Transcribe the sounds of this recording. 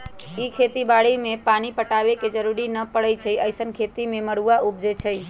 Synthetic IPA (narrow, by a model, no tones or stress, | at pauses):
ikʰet̪ibaɽimepanipəʈabeked͡ʒəɾuɾinəpəɽət͡ʃʰəjʔəjsənkʰet̪imeməɽuaʔup̚d͡ʒet͡ʃʰəj